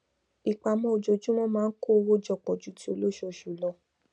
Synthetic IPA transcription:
i˨k͡pa˧mɔ̃˧o˨d͡ʒo˧d͡ʒũ˦mɔ̃˦mãː˦n̩˦ko˦˧wo˦d͡ʒɔ˦˨k͡pɔ˨d͡ʒu˨˦ti˦o˧lo˦˨ʃo˦˨ʃu˨lɔ˧˦

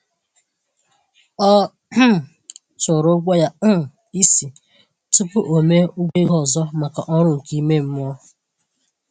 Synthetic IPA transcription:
ɔ˦˨ | t͡ʃʊ˨ɾo˦ɡʷa˦ja˦˨ | i˦si˨ | tu˦pʊ˦ʔo˨me˦u˦ɡʷe˦ɣɔ˨zɔ˦ma˨ka˨ʔɔ˦ɾʊ˦ŋ̩˨ki˦me˦m̩˦m˦ɔ˦

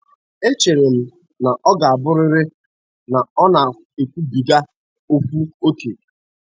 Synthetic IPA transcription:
e˦t͡ʃe˨ɾe˨m̩˨ | na˨ʔɔ˦ɡa˨a˨bʊ˦ɾɪ˦ɾɪ˦ | na˨ɔ˦na˨ | e˨kʷu˦bi˨ɡa˦ | o˦fʷu˦o˦kʰe˨

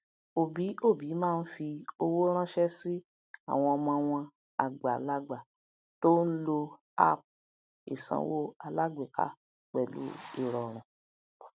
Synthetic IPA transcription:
o˨bi˨˦o˦˨bi˨˦mãː˦˧n̩˦fi˧o˧wo˦ɾ̃ã˦ʃɛ˦si˦ | a̰˦˨w̃ɔ̃˧ɔ˧mɔ̃˧w̃ɔ̃˧ | a̰˨ɡ͡ba˨la˦ɡ͡ba˨ | to˦n̩˦lo˧ | a̰˦˨p̚ | ḭ˨sã̰˧˦wo˦a˧la˦ɡ͡be˨ka̰˦ | k͡pɛ˨lṵ˨˦ḭ˦˨ɾɔ˨ɾ̃ã˨

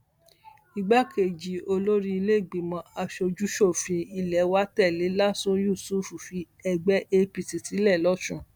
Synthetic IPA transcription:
i˧ɡ͡ba˦ke˨d͡ʒi˨o˧lo˦ɾi˦i˧le˦˨ɡ͡bi˨mɔ̃˧˦a˧ʃo˧d͡ʒu˦ʃo˦˨fĩ˧i˧˨lɛ˨˦wa˦tɛ˦˨le˨˦la˦sũ˦ju˦˨su˦˨fu˨fi˧˦ | ɛ˧ɡ͡bɛ˦ʔe˧pi˧˨ti˨ti˨˦lɛ˦˨lɔ˦ʃũ˦˨

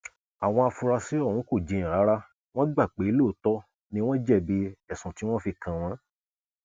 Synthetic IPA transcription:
a˨w̃ɔ̃˧a˧fu˧ɾa˧si˦ɔ˦˨ũ˨˦ko˦˨d͡ʒĩ˨˧˨a˨˦ɾa˦ | w̃ɔ̃˦ɡ͡ba˦˨k͡pe˨˦lo˦˨˦tɔ˦ | nĩ˧˦w̃ɔ̃˦d͡ʒɛ˦˨bi˧ɛ˦˨sũ˨ti˨˦w̃ɔ̃˦fi˧kã˧w̃ɔ̃˨˦

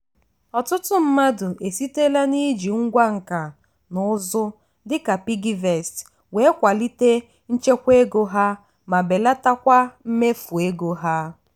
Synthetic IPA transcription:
ɔ˨tʊ˦tʊ˦m̩˦ma˦dʊ˨ʔe˨si˦te˦la˦ni˦d͡ʒi˨ŋ̩˦ɡʷa˦ŋ̩˨ka˨ | nʊ˨˦zʊ˦ | dɪ˦ka˨pi˦ɡi˦ve˨st | we˦kʷa˨li˦te˦ | n̩˦t͡ʃe˦kʷe˦ɡo˦ɦa˦ | ma˨be˨la˦ta˦kʷa˦m̩˦me˦fu˨e˦ɡo˦ɦa˦

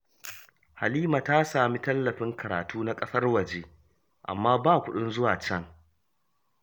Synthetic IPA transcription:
ha˨liː˦ma˨ta˦saː˨mi˦tɐ˦lːɐ˨ɸɪ˦ŋkɐ˨ɾaː˨tʰuː˦na˦kʼɐ˦sɐ˦rwɐ˨d͡ʒeː˦ | ʔa̰˨mːaː˦baː˦˨kʷʊ˦ɗʊ˦nzʊ˦waː˨t͡ʃɐ˦ŋ

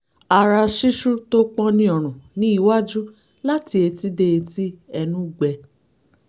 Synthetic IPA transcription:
a˨ɾa˧ʃi˦ʃu˦to˦k͡pɔ̃˦nĩ˦ɔ˨ɾ̃ũ˨nĩ˦i˦˧wa˦d͡ʒu˦ | la˦ti˧e˧ti˦de˧e˧ti˦ɛ˧nũ˦˨ɡ͡bɛ˨˧

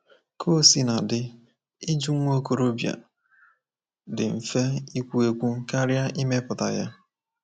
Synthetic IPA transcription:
kʰo˦si˦na˨dɪ˦ | i˦d͡ʒu˦ŋ̩ʷ˦o˦ko˨ɾo˦bja̰˨ | dɪ˨m̩˨fe˦i˦kʷu˦e˦kʷu˦ka˦ɾja˦ʔi˦me˦pʊ˨ta̰˨ja˦

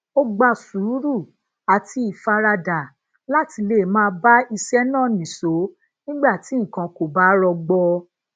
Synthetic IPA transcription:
o˦ɡ͡ba˧su˨˦ɾu˦˨ | a˨tʰi˧˦i˨fa˧ɾa˧da˨ | la˦ti˧le˦˨mãː˦˧˦ba˦i˧sɛ˦nãː˦˨nĩ˨so˨˦ | nĩ˦ɡ͡ba˦˨ti˨˦ŋ̩˨kã˧ko˨ba˦ɾɔ˧ɡ͡bɔ˧

